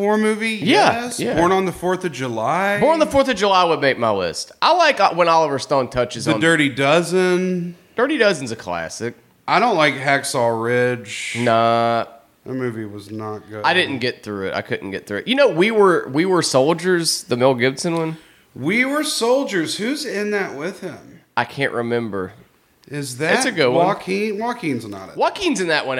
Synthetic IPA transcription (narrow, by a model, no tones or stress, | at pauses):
ɔɹmʉvijæsjæbɔɹnə̃nðəfɔɹθʌvd͡ʒəlaɪbɔɹnə̃nðəfɔɹθʌvd͡ʒəlaɪwəd̚meɪk̚maɪlɪ̰stʔaɪlaɪkwə̃nɑlˠəvə˞stõʊ̃ntʰʌt͡ʃɨzðɨn̩dɜ˞ɾidʌzɨ̃nd̥ɜ˞ɾidʌz̃nzɨkʰl̥æ̰sɪk̚ | aɪɾõʊ̃nʔlaɪkɦæksɔɹɪ̥ʒ̥nət̚ | ðɨmʉviwʌznət̚ɡ̥ʊaɪɾɪdⁿn̩ɡ̥ɛt̪̚θɹʉɪta̰ɪkʰʊdⁿn̩ɡ̥ɛt̪̚θɹʉɨʔjɨnoʊwiwə˞wiwə˞soʊlˠd͡ʒə˞zðəmɪlˠɡɪbsɨ̃nwʌ̃n | wiwə˞soʊlˠd͡ʒə˞z̥hʉzɪ̃nðɨʔ̚wɪð̥ɪ̃maɪkʰæ̃nʔɹʔɨmɛ̃mbə˞ | ɪzðɨɨtsɨɡʊd̚w̃ɔkʰĩnwɑkʰĩnzənə̰ɾɨ̰wɑkʰĩnzɨ̃nðɨʔ̚wʌ̃n